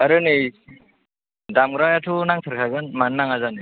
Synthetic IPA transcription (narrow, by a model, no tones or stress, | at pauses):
aɾɯnɯj | damɡɾajatʰunaŋtʰɯɾkʰaɡɯnmannaŋazanɯ